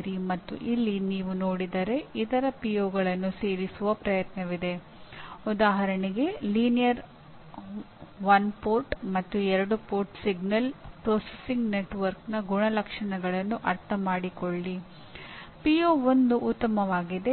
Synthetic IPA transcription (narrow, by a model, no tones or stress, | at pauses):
ɾimɐt̪ːṵʔilːiniːʋuno̞ːɽid̪ɐɾe̞it̪ɐɾɐpijoːɡɐɭɐnːuseːɾisuʋɐpɾɐjɐt̪nɐʋid̪e̞ | ud̪aːɦɐɾɐɳiɡe̞liːnijɐɾ | ʋɐnpoːɾʈmɐt̪ːuɛɾɐɽupoːɾʈsiɡnɐlpɾoːsesiŋɡneʈʋɐɾknɐɡuɳɐlɐkʂɐɳɐɡɐɭɐnːuʔɐɾt̪ʰɐmaːɽikoɭːi | pioːo̞nd̪uʔut̪ːɐmɐʋaːɡid̪e̞